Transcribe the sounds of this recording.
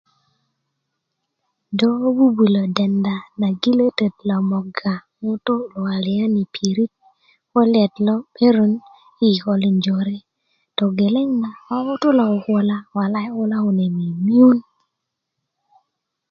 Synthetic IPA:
dɔ˦bu˦bi˨lo˨dɛ˨nda˨na˨ɡi˦le˦te˨tla˨mɔ˨ɡa˨mʊ˦to˦lwa˨lɪ˨a˦ni˨pʰi˨ɾi˦t̚ | kɔ˦lɪ˦ɛ˨tlɔ˦pʰe˦ɾo˦n | i˦˨kɔ˨li˨ɲd͡ʒo˨ɾe˦ | tɔ˨ɡe˨le˦ŋna˨a˦ʊ˦tʊ˦la˨o˨kwɔ˦la˦wa˨la˦ɔ˦la˦o˨ne˨mi˨mi˦u˦n

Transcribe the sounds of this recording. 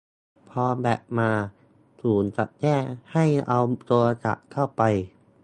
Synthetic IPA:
pʰɔː˧bɛː˨˩p̚maː˧ | suː˩˦nt͡ɕa˨˩t̪̚t͡ɕɛː˥˩ha˥˩jʔa˧wt̪o˧t͡ɕa̰˨˩ʔkʰːa˥˩wpa˧j

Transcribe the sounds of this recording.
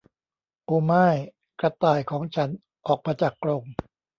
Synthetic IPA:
ʔoː˧maː˥˩j | kɾa˧t̪aː˨˩jkʰɔː˩˦ŋt͡ɕʰa˦˥n | ʔɔː˨˩k̚maː˧t͡ɕaː˨˩kːɾo˧ŋ

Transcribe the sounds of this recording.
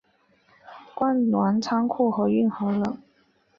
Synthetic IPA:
kwa˥nnwa˧˥nt͡sʰɑ˥ŋkʰu˥˩xɤ˧˥y˥˩nxɤ˧˥lə˧˩

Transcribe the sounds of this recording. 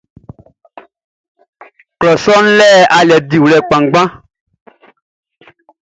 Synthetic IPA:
klɔ˨sɔ˦n̩˦lɛ˦˨a˨lɛ˨d̪i˨wlɛ˨k͡pã˨ŋ˦ɡ͡bã˦

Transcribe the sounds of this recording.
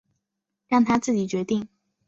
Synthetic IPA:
ɻɑ˥˩ŋt̪ʰa˥t͡sɹ̩˥˩t͡ɕi˨˩t͡ɕɥɛ˧˥t̪i˥˩ŋ

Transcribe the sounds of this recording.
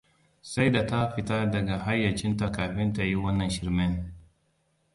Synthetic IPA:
sa˦jda˨ta˦ɸɪ˨ta˦dɐ˨ɡa˨ɦa˦jːɐ˨t͡ʃɪ˦nta˨kaː˨ɸɪ˦nta˨ji˦wɐ˦nːɐ˨nʃɪ˨ɾmɪ˦n

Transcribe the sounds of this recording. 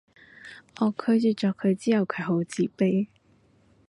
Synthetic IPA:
ʔɔː˨˧kʰɵ˨˧t͡ʃyː˨t͡ʃɔː˨˩kʰːɵ˨˧ɥt͡siː˥hɐ˨˧wkʰɵ˨˧ɥɦo˨˥wt͡siː˨˩pe˥

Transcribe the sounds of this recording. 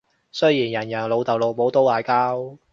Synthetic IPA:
sɵ˥jiː˨˩njɐ˨˩njɐ˨˩lo˨˧wt̪ɐ˨wlo˨˧wmo˨˥wt̪o˥wlaː˨˧jkaː˥w

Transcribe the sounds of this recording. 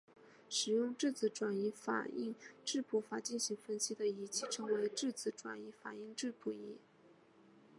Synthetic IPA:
ʂɻ̩˨˩jʊ˥˧ŋʈ͡ʂɻ̩˥˩t͡sɹ̩˧˥ʈ͡ʂwa˨˩ni˧˥fa̰˨˩i˥˧ŋʈ͡ʂɻ̩˥˩pʰu˧˥fa˨˩t͡ɕi˥˩nɕi˧˥ŋfə˥nɕi˥d̪ə˨i˧˥t͡ɕʰi˥˩ʈ͡ʂʰɤ˧˥ŋwe˧˥ɪʈ͡ʂɻ̩˥˩t͡sʰɹ̩˧˥ʈ͡ʂwa̰˨˩ni˧˥fa˨˩i˥˧ŋʈ͡ʂɻ̩˥˩pʰu˧˥i˧˥

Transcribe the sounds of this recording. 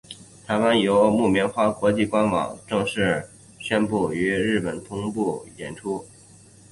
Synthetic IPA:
t̪ʰa˧˥ɪwa˥njo˧˥ʊmu˥˩mjɛ˧˥nxwa˥˩kwɔ˧˥t͡ɕi˥˩kwa˥nwɑ̰˨˩˦ŋʈ͡ʂɤ˥˧ŋʂɻ̩˥˩ | ɕɥɛ˥npu˥˩y˧˥ɻɻ̩˥˩pə˨˩nt̪ʰʊ˥ŋpu˥˩jɛ˨˩nʈ͡ʂʰu˥

